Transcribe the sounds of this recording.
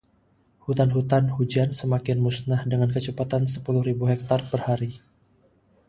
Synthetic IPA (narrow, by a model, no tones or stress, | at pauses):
hut̪anɦut̪anhud͡ʒansəmakɪnmusnahdəŋankət͡ʃəpat̪ansə̥pulʊhɾibuɦɛk̚t̪arpərhaɾi